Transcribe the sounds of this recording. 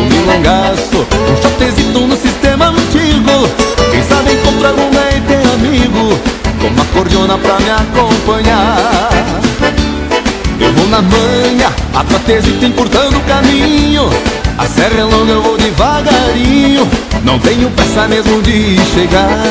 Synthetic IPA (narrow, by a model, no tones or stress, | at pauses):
mɪlõɡasʊũʃat̪ezit̪ʊnʊsist̪ẽmɐɐ̃t͡ʃiɡʊkẽj̃sabẽj̃kõt̪ɾaɡõw̃ɡ̪eɪ̃t̪eamiɡʊkõ̰mʊɐkoɾd͡ʒõnɐpɾɐmɪakõpɐ̃ɲa | ḛwvownɐmɐ̃ɲɐa̰t̪ɾat̪ezit̪ĩpoɾt̪ɐ̃nd̪ʊʊkamĩɲʊa̰sɛʁɐlõɡɐewvowd͡ʒɪvaɡaɾĩɲʊnɐ̃w̃t̪ẽɲʊpẽsamezmʊ̃d͡ʒɪʃeɡa